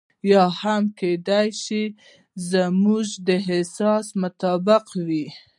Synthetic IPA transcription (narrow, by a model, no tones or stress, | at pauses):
jɑhamked̪ajʃi | zəmuʒd̪əɦɪsɑsmʊt̪ɑbɪqwi